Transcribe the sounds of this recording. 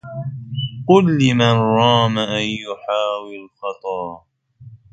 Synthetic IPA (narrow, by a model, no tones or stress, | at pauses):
qʊlːɪmanɾɑːmaʔanjʊħaːwɪlxɑt̪ˤɑɾ